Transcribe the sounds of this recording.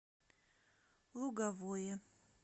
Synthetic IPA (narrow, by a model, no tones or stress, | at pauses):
lˠuɡavojɛ